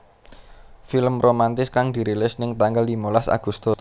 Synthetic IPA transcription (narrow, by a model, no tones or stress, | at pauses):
filəmromant̪ɪskaŋd̪̥i̤ɾilɪsnɪŋt̪aŋɡald̪imolasa̰ɡ̥ust̪os